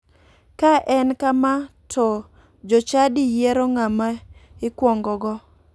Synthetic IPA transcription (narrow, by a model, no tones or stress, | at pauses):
kaʔɛnkamatʰɔ | d͡ʒɔt͡ʃadijɛɾɔŋamaɪkwɔŋɡɔɡɔ